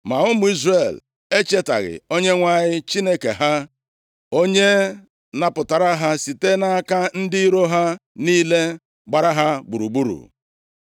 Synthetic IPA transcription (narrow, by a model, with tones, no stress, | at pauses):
ma˨ʊ˦mʊ˨˦i˦zre˨l | e˦t͡ʃe˦ta̰˨ɣɪ̰˨o˦ɲe˦ŋʷa˦ɲɪ˦t͡ʃi˦ne˦kḛ˨ɦa˦ | o˦ɲe˦ | na˨pʊ˨ta˨ɾa˦ɦa˦si˨te˦na˦ka˦n̩˦dɪ˦ɾo˦ɦa˦niː˦le˦ | ɡ͡ba˨ɾa˦ɦa˦ɡ͡bu˨ɾu˨ɡ͡bu˦ɾṵ˨